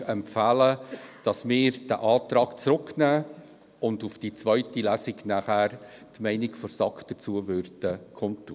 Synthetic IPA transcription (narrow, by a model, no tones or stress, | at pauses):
ɛmpfæləd̥ɑsmɪːɾd̥æʔɑːtɾɑːkt͡sɾʊkʰnæː | ʊndʊfd̥it͡svœʏtilæːsɪɡnæχæːɾ | tmɛɪnɪkfɔɾsɑkd̥ət͡suəvʏrd̥əkʰɔntːu